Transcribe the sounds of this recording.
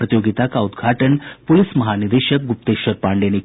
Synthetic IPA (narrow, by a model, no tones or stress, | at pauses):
ɾət̪joɡit̪akaud̪ɡʱaʈənpulismɐɦanid̪eɕək̚ɡup̚t̪eɕəɾpaɳɖene